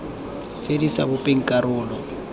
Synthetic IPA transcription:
t͡sʼedisabʊpʼeŋ̩kʼaɾʊːlɔ

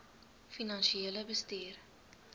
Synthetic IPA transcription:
finɐnʃieːləbəstiːr

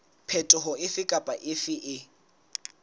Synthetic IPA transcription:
pʰɛtʼɔɦʊɪfɪkʼapʼaʔɪfɪʔɪ

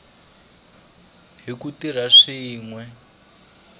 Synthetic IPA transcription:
ɦikutiɾaʂiːŋwɛ

